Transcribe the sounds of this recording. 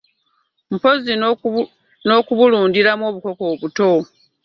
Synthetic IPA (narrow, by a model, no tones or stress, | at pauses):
m̩po̞zi | no̞ːkuβuluːndiɾamwo̞ːβuko̞ko̞ːβuto̞